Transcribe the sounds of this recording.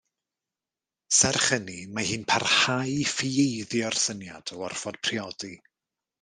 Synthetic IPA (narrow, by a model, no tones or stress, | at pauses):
sɛrχənimahɨːnpʰarhajfiejðjɔrsənjad̥ɔwɔrfɔd̥̚pʰriɔdi